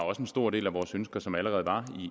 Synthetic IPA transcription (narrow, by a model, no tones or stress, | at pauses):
ɒ̽səensd̥o̝ɐ̰de̝̰ːlæʋɒːsønsɡ̥ɐsɒ̽mæləʁɛːð̞̩ˠʋɑ̈i